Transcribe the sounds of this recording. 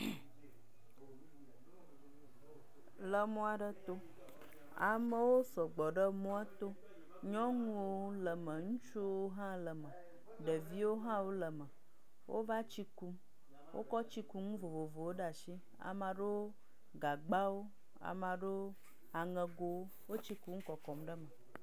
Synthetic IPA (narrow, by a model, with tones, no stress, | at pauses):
lə˨mũ˦a˨ɖə˦t̪o˦ | a̰˨mə˦wo˦sɔ˨ɡ͡bɔ˨ɖə˦mũ˦a˦t̪o˦ | ɲɔ̃˦ŋũ˦wo˦lə˨mə̃˨ŋũ˦t͡ʃu˦wwo˦ɦã˦lə˨mə̃˨ | ɖə˨vi˦wo˦ɦã˦wo˦lə˨mə˨ | wʔo̰˦va˦t͡ɕi˦ku˦m | wʔo̰˦kɔ˦t͡ɕi˦ku˦ŋũ˦vo˨vo˨vo˨wo˦ɖa˨ʃi˦ | a̰˨mã˨ɖə˦wo˦ | ɡa˨ɡ͡ba˦wo˦ | a̰˨mã˨ɖə˦wo˦ | a˨ŋə̃˨ɡo˦wo˦wo˦t͡ɕi˦ku˦ŋ̩˦kɔ˨kɔ˨mɖə˦mə˨